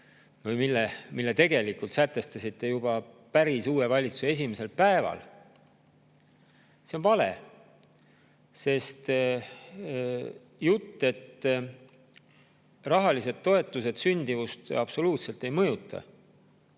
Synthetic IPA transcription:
vɤjmilːemilːe̞t̪e̞ɡe̞likult̪sæt̪ːˑe̞st̪ɑsit̪ːe̞jub̥ɑ | pæɾisuːe̞vɑlʲit̪su̥see̞s̬ʲimese̞lpæevɑ̰l | se̞onpɑle̞̰ | se̞st̪ | jut̪ːe̞t̪ː | rɑɦɑlise̞d̪̥̚t̪ːo̞e̞t̪ːˑus̬e̞d̪̥synʲd̪ivust̪ɑb̥so̞luːt̪se̞lt̪ːe̞jmɤjut̪ʰːˑɑ̰

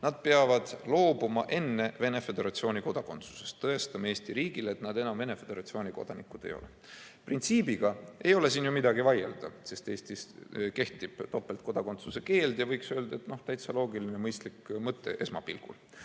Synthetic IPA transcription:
nɑd̪̥̚pe̞ɑvɑd̪̥lo̞ːbumɑʔe̞nːe̞ve̞ne̞fe̞d̪e̞ɾɑt̪sio̞ːnʲiko̞d̪̥ɑko̞nt̪su̥se̞̥st̪ːɤest̪ɑmeeːst̪iɾiːɡ̥ile̞t̪nɑd̪e̞nɑmve̞ne̞fe̞d̪e̞ɾɑt̪sio̞ːnʲiko̞̰d̪̥ɑnikːˑud̪̥e̞̰jo̞̰lḛ | print̪siːbiɡ̥ɑʔe̞jo̞le̞siːnjumid̪ɑɡivɑjḛld̪̥ɑ̰se̞st̪e̞ːst̪iske̞ht̪ib̥t̪o̞pːe̞lt̪̚ko̞d̪̥ɑko̞nt̪suse̞ke̞ːld̪̥jɑvɤjksøld̪̥ɑe̞t̪no̞ht̪æjt̪sɑlo̞ːɡilinemɤjst̪likmɤt̪ːˑe̞ʔe̞smɑ̰pilɡ̥ṵl

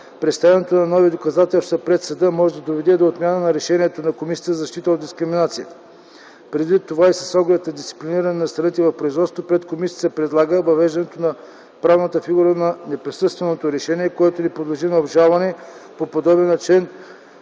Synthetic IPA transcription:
pɾɛt̪st̪avɛnɛt̪onɐnɔvid̪okɐzat̪ɛlˠst̪vɐpɾɛt̪səd̪əmɔʒɛd̪ɐd̪ovɛd̪ɛd̪oːt̪mʲjanənɐɾɛʃɛniɛt̪onɐkomisijət̪zɐʃt̪it̪əod̪d̪iskɾiminat̪sijət̪ə̥ | pɾɛd̪vit̪ːovaisə̥sɔɡlɛt̪̚nɐd̪ist̪i̥pliniɾɐnɛnɐst̪ɾɐnit̪ɛvɐfpɾoizvɔt̪st̪vopɾɛt̪komisʲiəət̪əpɾɛd̪lˠaɡəvɐvɛʒd̪ɐnɛt̪onɐ | pɾavnət̪əfiɡuɾənɐnɛpɾisɤst̪vɛnot̪oɾɛʃɛniɛkoɛt̪onipɾod̪lˠoʒinɐobʒalˠvɐnɛpopod̪ɔbɛnːɐt͡ʃɛn

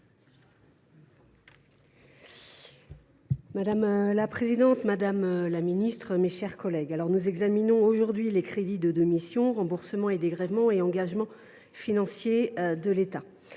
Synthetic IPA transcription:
mad̪amlapχezid̪ɑ̃t̪mad̪amlaminist̪χəmeʃɛʁkɔlɛɡalɔʁnuzɛɡzaminɔ̃oʒuʁd̪ɥilekχed̪id̪əd̪ɔmisjɔ̃ʁɑ̃buʁsəmɑ̃ed̪eɡʁɛvmɑ̃eɑ̃ɡaʒmɑ̃ | finɑ̃sjed̪əlet̪a

